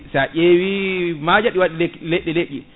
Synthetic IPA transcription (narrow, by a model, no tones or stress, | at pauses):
saʔewimad͡ʒaɗiwaɗilleɗːɛleʔi